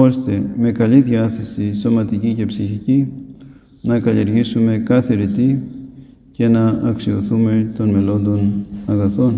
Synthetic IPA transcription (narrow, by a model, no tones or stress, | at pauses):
o̞st̪e̞me̞kɐliðjɐθe̞siso̞mɐt̪icice̞psiçici | nɐkɐlieɾʝisume̞kɐθe̞ɾit̪i | ce̞nɐɐksio̞θume̞t̪o̞nme̞lo̞nd̪o̞nɐɣɐθo̞n